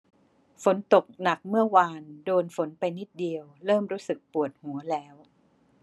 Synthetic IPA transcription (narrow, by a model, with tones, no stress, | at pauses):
fo˩˦nt̪o˨˩k̚na˨˩k̚mɯ˥˩ɐwaː˧ndoː˧nfo˩˦npa˧jni˦˥t̪̚di˧əwɾɤː˥˩mɾuː˦˥sɯ˨˩k̚pu˨˩ət̪̚hu˩˦ɐlɛː˦˥w